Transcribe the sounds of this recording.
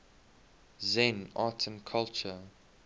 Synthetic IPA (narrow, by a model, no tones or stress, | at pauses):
zɛ̃naːˑtʰə̃nkʰalt͡ʃə